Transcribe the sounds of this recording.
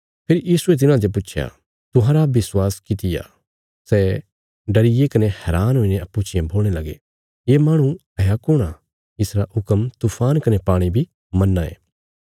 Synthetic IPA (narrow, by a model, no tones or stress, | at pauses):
pʰɪɾjiːsuet̪̬ɪnãd͡ʒop̬ʊːt͡ʃʰja̰ | t̪ʊ̃ɦãɾaʋɪswaːskɪt̪ɪja̰ | sɛː | ɖɐɾɪjekɐnehɛːɾaːnɦoːineɐpːut͡ʃɪjẽbʱoːɽ̃elɐɡḛ | jeːmaːɽ̃ũ | ɐjakʊɽ̃a | ɪsɾaʊkəmt̪uːpʰaːnkɐnepaːɽ̃ibʱi | mɐnːaḛː